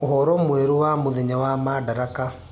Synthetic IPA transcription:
oɦɔɾɔmweɾowamoðeɲawamadaɾaka

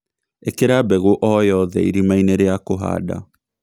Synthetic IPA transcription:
ekeɾabɛɣoʔɔjɔðɛ̰iɾimaineɾeakoɦa̰ːda̰

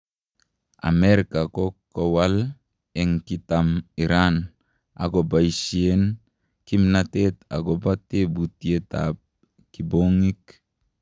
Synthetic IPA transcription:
a̰mɛɾikakokːowal | ɛŋkitamiɾan | a̰ɡobaisien | kimnatet̪a̰ɡobatebutieta̰p̚ | kiboŋik

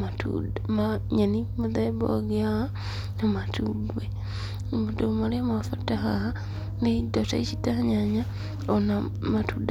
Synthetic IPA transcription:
matṵdmaɲenimuðaibo̰ɡeaa | namatuɡwe | mudomaliamafatahaa | neidota̰it͡ʃitaɲaɲa | ona | matud

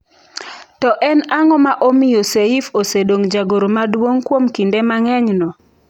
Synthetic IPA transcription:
tɔʔɛnaŋɔmaʔomɪjoseifosedoŋd͡ʒaɡoɾomadwoŋkwomkindemaŋɛɲnɔ

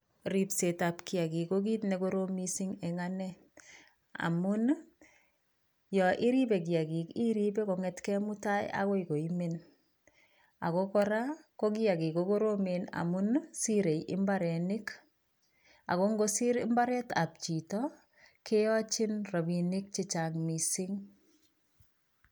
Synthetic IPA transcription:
ɾipsetapkiakikoɡitnekoɾomisiŋɛŋanɛ | a̰mun | jɔʔiɾibek̬iaɡikiɾibekɔŋɛtkɛmʊtaj̰a̰koikoimen | a̰kokɔɾakokiakikokoɾomena̰munsiɾejʔɪ̰mbaɾɛnɪk | a̰koŋɡosiɾɪ̰mbaɾɛta̰p̚t͡ʃitɔ | kejɔt͡ʃɪnrobinɪk̚t͡ʃɪt͡ʃaŋmisɪŋ

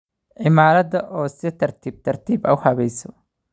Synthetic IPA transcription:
ʔɪmaːɾɐd̪ɐʔɔːsɛt̪ɐɾt̪iːb̚t̪ɐɾt̪iːbɐwhɐβɛjsɔ̥

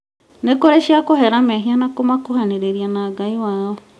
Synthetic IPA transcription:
nekoɾeʃiakohɛɾamɛɦianakomakohaneɾeɾianaɡaiwaːo

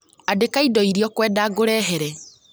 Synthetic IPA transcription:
adekaidɔiɾiɔkwɛːdaːɡoɾɛɦɛɾɛ

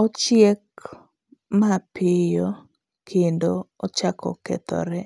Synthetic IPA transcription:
ɔt͡ʃjek̚ | mapɪjo | kʰendoɔt͡ʃakɔ̰kɛ̰t̪ɔ̰ɾɛ

